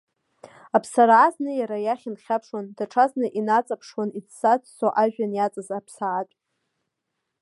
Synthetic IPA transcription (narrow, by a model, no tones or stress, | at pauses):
apʰsaɾʕaznɨjaɾajaχʲinχʲapʰʂwandaʈ͡ʂʰaznɨʔinat͡sʼapʰʂwanit͡sʰsat͡sʰʼsoʔaʒᶣanjat͡sʼazapʰsaat͡ʃʼ